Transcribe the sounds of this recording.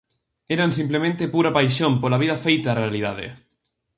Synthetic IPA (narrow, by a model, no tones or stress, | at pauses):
eɾans̬implemẽnt̪epuɾapajʃõmpolaβið̞afejt̪aːrealiðað̞ḛ